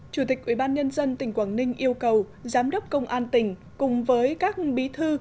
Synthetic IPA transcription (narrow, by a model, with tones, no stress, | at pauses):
t͡ɕu˧˩t̪ï˨˩k̟̚ʔwi˧˩ɓaː˧nɲə˧nzə˧nt̪ï˧˩ŋ̟kwaː˧˩nnï˧ŋ̟ʔi˧əwkə˨˩w | zaː˨˦mɗə˦˥wp̚kə˧wŋ͡mʔaː˧nt̪ï˧˩ŋ̟ | kʊ˨˩ŋ͡mvəː˨˦jkaː˦˥k̚ɓi˨˦t̪ʰɨ˧